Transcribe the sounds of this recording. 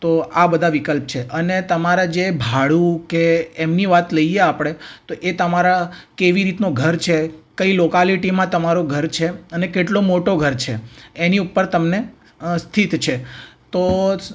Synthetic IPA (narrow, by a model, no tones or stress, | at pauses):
t̪oabəd̪ʱaʋikəlp̚t͡ʃʰeʔənet̪əmaɾad͡ʒebʱaɭukeːmniʋat̪ləijeapɽ̃et̪oʔet̪əmaɾakeʋiɾit̪noɡʱəɾt͡ʃʰekəilokaliʈimãt̪əmaɾoɡʱəɾt͡ʃʰeənekeʈlomoʈoɡʱəɾt͡ʃʰeːniupːəɾt̪əmne | st̪ʰit̪t͡ʃʰet̪o